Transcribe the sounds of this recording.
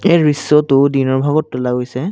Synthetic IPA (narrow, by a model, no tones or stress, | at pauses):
ejɹisːɔtʊdinɔɹbʱaɡɔtːʊlaɡojsɛ